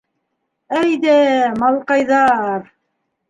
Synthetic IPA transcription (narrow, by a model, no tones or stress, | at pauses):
æjd̪æmɑlˠqɑjðɑɾ